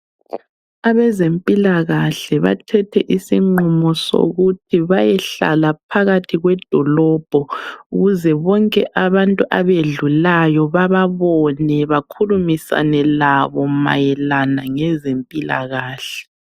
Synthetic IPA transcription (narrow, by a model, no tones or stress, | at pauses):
aβɛzempʼilaɣaɬɛβa̰tʰɛtʰɛʔisiŋ͡ǃumɔso̰ɣutʰiβajɛɬa̰lapʰaɣatʰiɣwɛd̥ʱɔlɔb̥ʱɔuɣuzɛβɔŋkʼɛʔaβantʼuʔaβeɮulajɔβaβaβɔnɛβakʰulumisa̰nɛlaβɔma̰jɛlanaŋɛzempʼila̰ɣaːɬɛ̥